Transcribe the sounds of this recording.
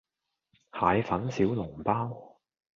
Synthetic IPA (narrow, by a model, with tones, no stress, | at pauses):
haː˨˧jfɐ˨˥nsiː˨˥wlʊ˨˩ŋpaː˥w